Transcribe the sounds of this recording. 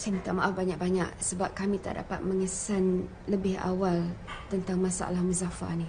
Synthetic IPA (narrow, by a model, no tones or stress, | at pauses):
simit̪aʔmaʔafbaɲak̚baɲa̰ʔ̚səbap̚kamĩt̪a̰ʔda̰pat̪̚məŋəsan | ləbɪɦa̰walt̪ənt̪aŋmasa̰ʔa̰lahmuzafa̰ni